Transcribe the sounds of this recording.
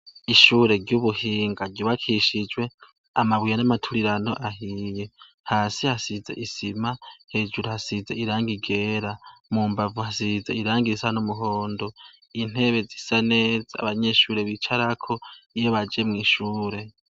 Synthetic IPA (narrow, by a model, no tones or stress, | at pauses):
iʃuːɾe̞ɾɟuβuhiːŋɡaɾɟoβakʰiʃid͡ʒwe̞ | amaβwijanamatʰuɾiɾano̞̰ʔaɦije̞ | haːsihasizḛʔisimahe̞d͡ʒuɾohasizeiɾaːŋɡiɡe̞ːɾamuːmbavuhasizeiɾaːŋɡiisanumuɦo̞ːndo | in̥e̞βe̞zisane̞ːzaːβaɲe̞ʃuːɾe̞βit͡ʃaɾakʰo̞ijoβad͡ʒemŋiːʃuːɾe̞